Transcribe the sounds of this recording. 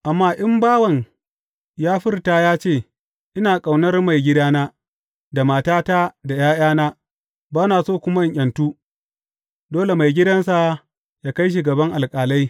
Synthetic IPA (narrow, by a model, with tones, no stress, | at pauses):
ʔa˨mːaː˦ʔɪ˦mbaː˦wɐ˨ŋ | jaː˦ɸɪ˦rtaː˨jaː˦t͡ʃeː˦˨ | ʔɪ˦naː˨kʼa˨wnɐ˦rma˨jɡʲɪ˦daː˦naː˦ | da˨maː˨taː˦ta˦da˨j̰aː˦j̰aː˦naː˦ | baː˦naː˨soː˦˨kʷʊ˦ma˦ɪ˨ʔʲʼɐ˨ntuː˦ | doː˦le˨ma˨jɡʲɪ˦dɐ˦nsa˨ | jaː˦ka˦jʃ̬i˨ɡɐ˨bɐ˦ŋʔa˨lkʼaː˨la˦j